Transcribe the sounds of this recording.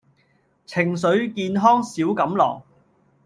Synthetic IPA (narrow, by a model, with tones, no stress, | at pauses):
t͡sʰɪ˨˩ŋs̬ɵ˨˧˥ɥkiː˧nɦɔː˥ŋsiː˨˥wkɐ˨˧mlɔ̰ː˨˩ŋ